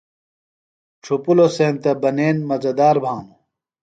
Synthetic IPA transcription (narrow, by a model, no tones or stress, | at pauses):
ʈ͡ʂʰupulosẽːnt̪ɐbɐneːnmɐd͡zɐd̪aːɾbʱãːnu